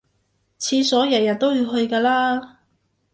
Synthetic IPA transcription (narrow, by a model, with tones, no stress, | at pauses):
t͡sʰiː˧sɔː˨˥jɐ˨˩jɐ˨˩n̚t̪o˥wjiː˧wɦɵ˧ɥkaː˧laː˥